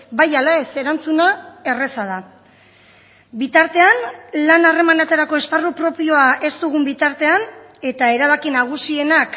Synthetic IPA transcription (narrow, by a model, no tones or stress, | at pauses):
bajalae̞se̞ɾant͡sunae̞re̞sað̞a | bit̪aɾt̪e̞anlanare̞manat͡s̪eɾako̞e̞sparupɾo̞pio̞aʔe̞st̪uɣ̞umbit̪aɾt̪e̞an | e̞t̪ae̞ɾaβ̞akinaɣ̞usie̞nak